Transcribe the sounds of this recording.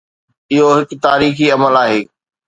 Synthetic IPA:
ɪɦoɦɪkt̪aːɾiːxiɐməlaːɦeː

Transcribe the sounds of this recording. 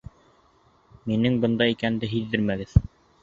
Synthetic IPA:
minɘŋbɤ̆nd̪ɑikænd̪ɘɦiðɘɾmæɡɘð

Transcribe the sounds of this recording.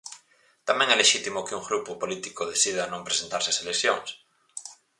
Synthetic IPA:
t̪amẽŋɛleʃit̪imokeuŋɡɾupopolit̪ikoð̞eθið̞anõmpɾesent̪aɾseaselekθjo̰ŋs

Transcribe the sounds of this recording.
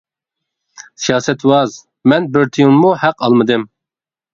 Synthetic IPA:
sijɑːsɛt̪wɑz | mɛnbɪɾt̪ʰijuŋmuhæqɑlˠmɨd̪ɨm

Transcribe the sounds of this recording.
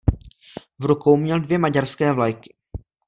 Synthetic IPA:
vɾukowmɲɛldvjɛmaɟaɾskɛːvlajkɪ̥

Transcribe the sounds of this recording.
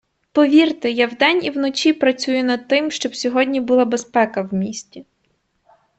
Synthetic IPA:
pɔʋʲirt̪ɪjawd̪ɛnʲiwnɔt͡ʃʲipɾɐt͡sʲujʊnɐd̪̚t̪ɪmʃt͡ʃɔbsʲɔɦɔdʲnʲibʊlˠabespɛkɐwmʲisʲtʲi

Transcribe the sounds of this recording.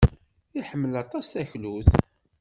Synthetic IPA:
iħəmːəlɑt̪ˤɑsθæçluθ

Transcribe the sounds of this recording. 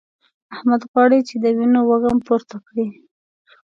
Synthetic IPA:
ahmad̪ɣwɑɽit͡ʃed̪əwinowaɣampoɾt̪akɽi

